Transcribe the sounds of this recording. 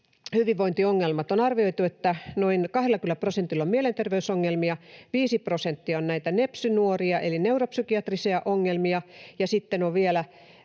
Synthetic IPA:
hyʋiʋʋoint̪ioŋːelmɑt̪onɑrʋioit̪uet̪ːænoinkɑhɾelkylːˑæprosent̪ilːommielent̪erʋeysoŋːelmiɑʋiːsiprosent̪ːiɑonnæit̪ænepsynuoriɑʔelineuropsykiɑt̪risiɑʔoŋːelmiɑjɑsit̪ːenoʋʋielæ

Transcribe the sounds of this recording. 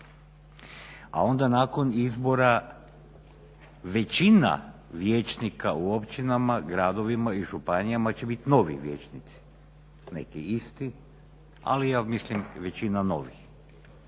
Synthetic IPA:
a̰o̞nd̪anaːko̞nizbo̞ɾa | ʋe̞t͡ɕina̰ʋje̞ːt͡ʃnikauopt͡ʃinamaɡɾaːd̪o̞ʋimaiʒupanijamat͡ɕebit̪no̞ʋḭʋje̞̰ːt͡ʃnit̪si̥ | ne̞̰kiist̪i | a̰lijaːmislimʋe̞t͡ɕinano̞̰ʋix

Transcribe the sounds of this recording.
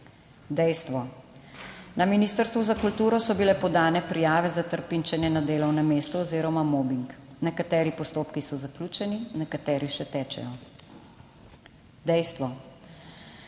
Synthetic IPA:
d̪ɛjst̪ʋɔ | naminiːst̪əɾst̪ʋuzakult̪uːɾɔsɔbilɛpɔd̪aːnɛpɾijaːʋɛzat̪əɾpint͡ʃɛnjɛnad̪eːlɔwnɛmeːst̪ɔːziːɾɔmamoːbiŋknɛkat̪ɛːɾipɔst̪oːpkisɔzakluːt͡ʃɛninɛkat̪ɛːɾiʃɛt̪ɛːt͡ʃɛ̰jɔ | d̪ɛjst̪ʋɔ

